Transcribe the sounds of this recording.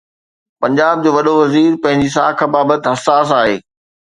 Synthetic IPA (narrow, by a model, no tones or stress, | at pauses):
pɐ̃ɲd͡ʑaːb̚d͡ʑoːʋɐɗoʋɐziːɾpɐ̃ɦɪ̃ɲd͡ʑis̬a̰ːkʰəbaːbət̪ɪ̆ɦɐsaːs̬aːɦḛː